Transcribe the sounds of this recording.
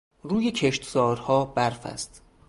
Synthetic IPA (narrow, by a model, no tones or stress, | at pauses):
ruːjecʰeʃt̪zɒːɾhɒːbæɾfæ̰st̪